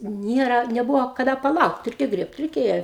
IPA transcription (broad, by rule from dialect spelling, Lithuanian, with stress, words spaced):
ˈnʲiɛrɐ nʲɛˈbʊʋoː kɐˈdɐ pɐˈlˠɐʊkt ˈrʲɛɪkʲɛ ˈɡrʲiɛpt rʲɛɪˈkʲeːjɛ